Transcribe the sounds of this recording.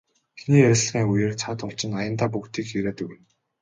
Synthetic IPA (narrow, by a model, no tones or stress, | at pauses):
xiniːeɮxiːŋujĕːrt͡sʰat̪ʊt͡ɕɪ̆najə̆nt̪aːpukt̪ʰiːkxiɾeːt̪ɵɣɘ̆n